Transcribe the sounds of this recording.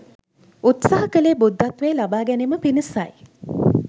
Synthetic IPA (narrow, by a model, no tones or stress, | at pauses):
ut̪saɦəkəleːbud̪ːɐt̪ʋeːlabaːɡæneməpinisaj